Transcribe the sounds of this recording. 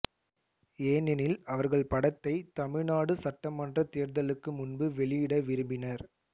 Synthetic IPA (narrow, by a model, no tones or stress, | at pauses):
eːnɪnɪlɐʋɐɾɣɐɭpɐɽɐt̪ːɐɪt̪ɐmɪɻnaːɽɯsɐʈːɐmɐndrɐt̪eːɐɾðɐlɯkːɯmʊnbɯʋɛɭɪjɪɽɐʋɪɾɯmbɪnɐɾ